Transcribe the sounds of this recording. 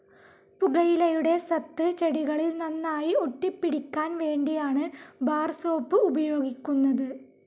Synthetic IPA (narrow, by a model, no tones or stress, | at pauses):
puɣɐjilɐjuɽe̞sɐt̪ːɨt͡ɕeɽiɣɐɭilnɐnːaːjioʈːipːiɽikʲːaːnʋe̞ːɳɖijaːɳɨbaːrsoːpːɨubɐjo̞ːɡikʲːunːɐðɨ